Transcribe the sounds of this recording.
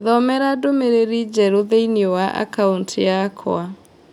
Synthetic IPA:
ðɔmɛɾadomeɾeɾid͡ʒɛɾoðeiniowaʔa̰kauntʰjakʰw̰a

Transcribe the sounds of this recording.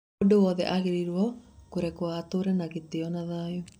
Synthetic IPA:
dowɔðɛ̰ʔaɣeɾiɾwɔkoɾɛkwatoɾɛnaɣeteɔnaðaːju

